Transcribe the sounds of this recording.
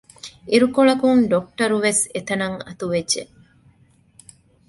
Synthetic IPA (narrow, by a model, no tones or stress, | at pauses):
iɾukoɭɐkuŋɖok̚ʈɐɾuʋeset̪ɐnɐŋɐ̰t̪uʋedʒe